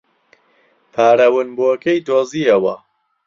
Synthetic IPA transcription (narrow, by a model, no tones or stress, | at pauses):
pʰaːɾɐwɨnbukejd̪oːziːɐwɐ